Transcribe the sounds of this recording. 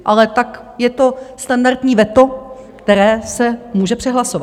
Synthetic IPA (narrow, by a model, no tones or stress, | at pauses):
ʔalɛt̪ak | jɛt̪o̞st̪andaɾt̪ɲiːvɛt̪o̞ | kt̪ɛɾɛːsɛmuːʒɛpr̥ɛɦlasova